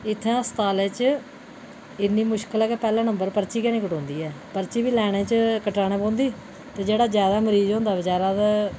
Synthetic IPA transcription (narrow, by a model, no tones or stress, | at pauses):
ɪt̪ʰːãːst̪aːleːt͡ʃ | ɪnːiːmʊʃkəlɛːkeːpɛːlãːnəmbəɾpəɾt͡ʃiːkɛːñiːkəʈõːnd̪iːɛːpəɾt͡ʃiːbiːlɛːɽ̃ẽːt͡ʃkəʈaːɽ̃ẽːpõːnd̪iː | t̪eːd͡ʒeːɽaːd͡ʒjaːd̪aːməɾiːzõːnd̪aːʋɪt͡ʃaːɾaːt̪